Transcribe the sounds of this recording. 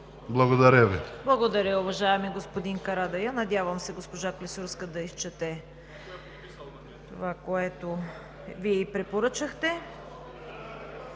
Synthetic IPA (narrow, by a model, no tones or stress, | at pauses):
blˠɐɡod̪ɐɾʲəviblˠɐɡod̪ɐɾʲəʊvɐʒaɛmiɡospod̪inkɐɾad̪ɐjɐnɐd̪ʲavɐmsɛɡospoʒaklisuɾskəd̪ɐist͡ʃɛt̪ɛ | t̪ovakoɛt̪o | viɛipɾɛpoɾɤt͡ʃəxt̪ɛ